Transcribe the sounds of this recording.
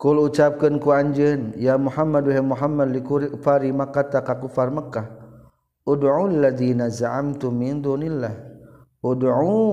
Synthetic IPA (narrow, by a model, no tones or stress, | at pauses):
kulut͡ʃap̚kənkuaɲd͡ʒənjamuħamːadwaɦɛmuħamːad̪likuɾifaɾimakat̪akakufarmakːah | ʔʊdʕualːaðinazaʕamt̪ʊmːind̪unilːah | ʔʊdʕu